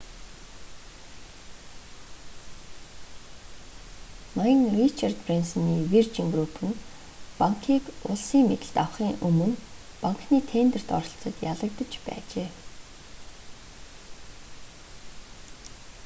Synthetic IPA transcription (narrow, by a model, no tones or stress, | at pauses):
najə̆ŋrit͡ɕʰart̪prinsɔniːwirt͡ɕiŋɡrupʰɵ̆n | paŋkʰiːkʊɮsiːŋmet̪ɘ̆ɬt̪awχiːŋʔɵmɵ̆n | paŋkniːt̪ʰeːnt̪ə̆r̥t̪ɔ̰ɾɞ̆ɬt͡sʰə̆t̪jaɮə̆k̚t̪ə̆t͡ɕpæ̰ːt͡ɕeː